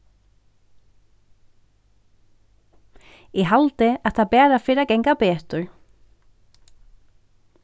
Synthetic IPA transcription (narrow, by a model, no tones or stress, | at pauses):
jɛɣɦalt̪ɪḁt̪ʰapɛːɾafɪɾɪaðkɛjŋkapɛːht̪ʊɾ